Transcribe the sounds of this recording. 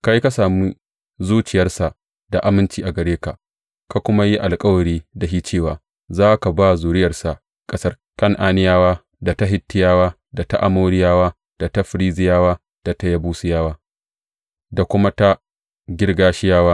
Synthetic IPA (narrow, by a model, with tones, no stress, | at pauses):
ka˦jka˦saː˨mi˦ | zuː˦t͡ʃɪ˨jɐ˦rsa˨ʔ | da˨ʔa˦mɪ˦nt͡ʃiː˦ʔa˨ɡɐ˨ɾeː˦ka˨ʔ | ka˨kʷʊ˦ma˦ji˦ʔa˨lkʼɐ˦wɐ˨ɽiː˦da˨ɦiː˦t͡ʃeː˦˨waː˨ | zaː˦ka˨baː˦zuː˨ɾɪ˦jɐ˨rsa˨ʔ | kʼɐ˦sɐ˦r | kɐ˦ŋʔaː˦nɪ˦jaː˦waː˦ | da˨ta˦ɦɪ˦tːɪ˦jaː˦waː˦ | da˨ta˦ʔa˨moː˦ɽɪ˦jaː˦waː˦ | d̥a˨ta˦ɸɪ˨˦ɾiː˦zɪ˦jaː˦waː˦ | d̥a˨ta˦jɐ˦buː˦sɪ˦jaː˦waː˦ | da˨kʷʊ˦ma˦ta˦ | ɡʲɪ˦rɡaː˦ʃɪ˦jaː˦waː˦